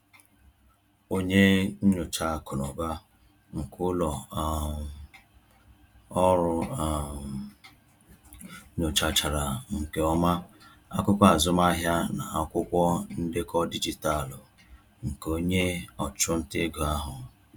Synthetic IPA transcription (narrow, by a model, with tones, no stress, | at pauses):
o˦ɲe˦ɲ̩˦ɲʊ˨t͡ʃa˨kʊ˨nɔ˨ba˦ | ŋ̩˨kʰʊ˦lɔ˨ | ɔ˦ɾʊ˨˦ | ɲo˨t͡ʃa˨t͡ʃa˨ɾa˨ŋ̩˨ke˨ɔ˦ma˦ | a˦kʷʊ˦kʷɔ˦a˨zʊ˦m˦a˦ɦja˦na˨a˦kʷʊ˦kʷɔ˦n̩˦dɪ˦kɔ˦di˦d͡ʒi˨ta˦˨lʊ˨ | ŋ̩˨ko˦ɲe˦ɔ˨t͡ʃʊ˦n̩˦te˦ɡo˨a˦ɦʊ˨